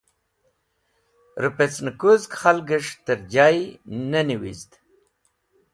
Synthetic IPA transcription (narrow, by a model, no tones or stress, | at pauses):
ɾupet͡snəkuzkχalɡəʂt̪əɾd͡ʑajnəniwḭzd̪